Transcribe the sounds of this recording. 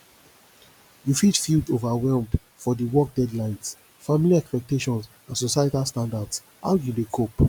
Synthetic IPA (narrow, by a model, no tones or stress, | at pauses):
jufidfildovawɛlm | fɔdiwɔk̚dɛdlãɪ̃ns | familiɛkspɛk̚teʃɔ̃ns | ãnsosaɪetastãndads | ha̰wjudekʰop